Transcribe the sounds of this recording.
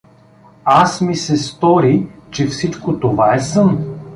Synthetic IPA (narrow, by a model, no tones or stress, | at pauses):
asmisɛst̪ɔɾit͡ʃɛfsit͡ʃkot̪ovaɛsɤn